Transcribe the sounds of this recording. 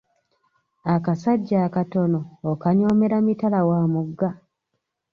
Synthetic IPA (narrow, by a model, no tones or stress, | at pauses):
akasaɟːaːkato̞no̞ːkaɲo̞ːme̞ɾamitalawaːmuɡːa